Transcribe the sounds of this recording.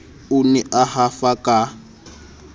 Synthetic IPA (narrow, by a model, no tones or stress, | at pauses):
ʊnɛʔahafakʼa